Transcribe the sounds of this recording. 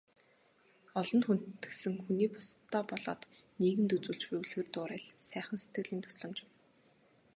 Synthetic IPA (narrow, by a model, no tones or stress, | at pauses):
ɔɮɞ̆nxun̥t̪ːɘ̥̆sɘ̆ŋxuniːpʊ̥st̪ʰːɔːpɔɮɔ̰ːt̪niːɣɘ̆mt̪ɵt͡suːɮt͡ɕpɵwɮɣɘ̆ːrt̪ʊːɾæːɮsæːχə̆nset̪ɡɘ̆ɮiːnt̪ʰɔ̥sɮɞ̆mt͡ɕɪ̆w